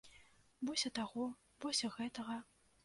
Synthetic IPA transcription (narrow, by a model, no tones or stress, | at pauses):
bɔsʲɐt̪aɣɔ | bɔsʲɐɣɛt̪ɐɣɐ